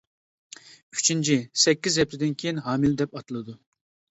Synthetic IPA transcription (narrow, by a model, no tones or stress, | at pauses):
y̥t͡ʃʰint͡ʃʰisɛkʲːizɛp̚t̪ʰɪd̪ɪnkʲʰejinɦɑːmɪld̪ɛpɑt̪ɨlˠɨd̪u